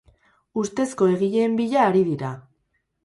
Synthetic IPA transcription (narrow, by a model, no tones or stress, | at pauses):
ust̪e̞sko̞e̞ɣiʎe̞ːmbiʎaːɾiðiɾa